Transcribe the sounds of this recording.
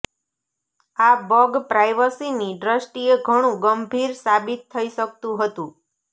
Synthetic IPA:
abɔɡpɾajʋəsiniɖɾəsʈieɡʱəɽ̃ũɡəmbʱiɾsabit̪ʰːəiʃək̚t̪ũɦət̪ũ

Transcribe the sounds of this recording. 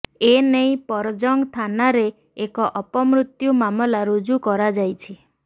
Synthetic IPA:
enej̃pɔɾɔd͡ʒɔŋɡt̪ʰanaɾeː | kɔʔɔpɔmɾut̪jumamɔlaɾud͡ʒukɔɾad͡ʒajt͡ʃʰi

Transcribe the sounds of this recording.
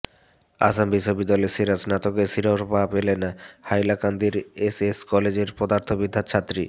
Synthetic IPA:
a̰sambiʃːobid̪ːalesiɾasnat̪okesiɾoɾpapelenahajlakand̪iɾeseskɔled͡ʑeɾpɔd̪aɾt̪ʰobid̪ʱːat͡ɕʰat̪ːɾi

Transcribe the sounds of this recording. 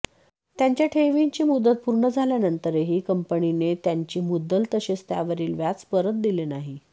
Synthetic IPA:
t̪jaɲt͡ɕjaʈʰeʋiɲt͡ɕiːmud̪ət̪̚puɾɳəd͡zʱaljanənt̪əɾeɦiːkəmpəɳinet̪jaɲt͡ɕiːmud̪ːəlt̪əɕet͡st̪ja̰ʋəɾiːlʋjat͡spəɾət̪̚d̪ilenaɦi

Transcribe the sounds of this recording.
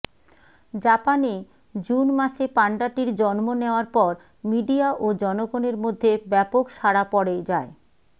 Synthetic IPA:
d͡ʑapane | d͡ʑunmaʃepaɳɖaʈiɾd͡ʑɔnmoneoaɾpɔɾ | miɖiaʔod͡ʑɔnoɡoneɾmod̪ʱːebɛpokʃaɽapɔɽed͡ʑae

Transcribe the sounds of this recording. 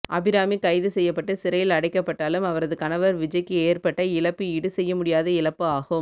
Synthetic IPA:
ʔɐbɪɾaːmikɐɪðɯsɛjːɐpːɐʈːɯsɪɾɐjɪlɐɽɐɪkːɐpːɐʈːaːlɯmɐʋɐɾɐðɯkɐnɐʋɐɾʋɪd͡ʒɐɪkːɯeːrpɐʈːɐɪlɐpːɯɪɽɯsɛjːɐmʊɽɪjaːðɐɪlɐpːɯaːɣɯm

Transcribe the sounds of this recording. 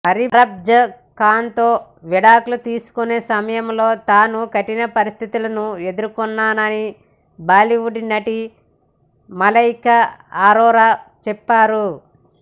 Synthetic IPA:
pɐɾiɾɐb̚d͡ʒɐ | kaːnt̪o̞ː | ʋiɽaːkulut̪iːsu̥kune̞ːsɐmɐjɐmlo̞ːt̪aːnukɐʈːinɐpɐɾist̪ʰit̪ulɐnue̞d̪uɾkunːaːnɐni | baːliʋuɖinɐʈi | mɐlɐjkɐaːɾɔːɾaːt͡ʃɛpːaːɾu

